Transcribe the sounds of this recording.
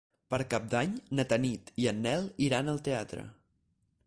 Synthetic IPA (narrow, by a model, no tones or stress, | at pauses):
pəɾkap̚d̪aɲnət̪ənit̪iənːɛlˠiɾanəlˠt̪eat̪ɾə̰